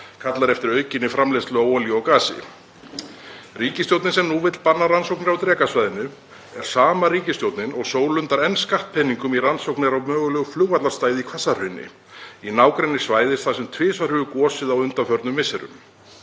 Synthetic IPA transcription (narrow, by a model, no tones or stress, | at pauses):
kʰat̪laɾɛft̪ɪɾœːɥcɪnːɪfɾamleslʏawɔːliɔkaːsɪ̰ | riːcɪst̪jowt̪nɪnsɛmnuvɪt̪lpanːaransowknɪɾawt̪ɾɛːkasvajðɪnʏ | ɛɾ̥saːmaɾiːcɪst̪jowt̪nɪnɔɣsoːwlʏnt̪aɾɛnːskaht̪̚pʰɛnːiŋkʏmiransowknɪɾawmœːɣʏlœːɣʏfluwvat̪last̪aːjðɪikʰvasar̥hʏɥnːɪ̰ | inaːwkɾɛnːɪ̥svaːjðɪst̪θasɛmt̪ʰvɪːsvaɾ̥hʏɣʏkɔːsɪðawʏnt̪afœɾt̪nʏmvɪsɛɾʏ̰m